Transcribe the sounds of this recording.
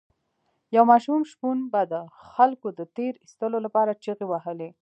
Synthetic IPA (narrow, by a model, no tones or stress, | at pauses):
jawmɑʃumʃpunbad̪əxalkod̪ət̪eɾist̪əlolapɑɾat͡ʃiɣewaɦəle